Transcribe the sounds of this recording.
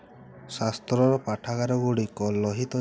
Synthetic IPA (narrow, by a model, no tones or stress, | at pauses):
sast̪ɾɔɾɔpaʈʰaɡaɾɔɡuɽikɔlɔɦit̪ɔ